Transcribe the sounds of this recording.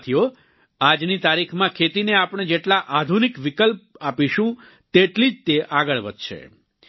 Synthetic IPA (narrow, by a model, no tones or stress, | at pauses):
t̪ʰijo | ad͡ʒnit̪aɾikʰmãkʰet̪ineapɳ̃ed͡ʒeʈlaʔad̪ʱunikʋikəlpapiʃũ | t̪eʈlid͡ʒt̪eʔaɡəɭʋəd̪ʱʃʰḛ